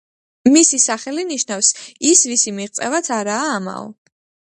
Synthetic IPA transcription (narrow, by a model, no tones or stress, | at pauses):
misisaχɛliniʃnafsisvisimiʁt̪sʼɛvat̪sʰaɾaːma̰ɔ̰